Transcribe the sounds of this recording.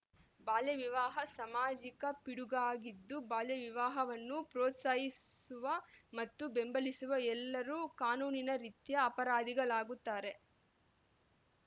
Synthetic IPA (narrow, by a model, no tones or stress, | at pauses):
baːljɐʋiʋaːɦɐsɐmaːd͡ʒikɐpiɽuɡɐaːɡid̪ːubaːljɐʋiʋaːɦɐʋɐnːupɾoːt̪saːjisuʋɐmɐt̪ːubembɐlisuʋɐɛlːɐɾuːkaːnuːninɐɾit̪jɐːpɐɾaːd̪iɡɐɭaːɡut̪ːaːɾe̞